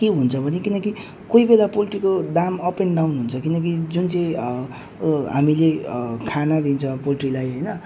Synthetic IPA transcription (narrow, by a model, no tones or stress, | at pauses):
keɦunt͡sʰʌbʱʌnekinʌki | koibelapolʈrikod̪amʌpenɖawnɦunt͡sʰʌkinʌk̬id͡zunt͡sʌj̃ | ɦamilekʰanad̪int͡sʰʌpoliʈrilajɦʌjnʌ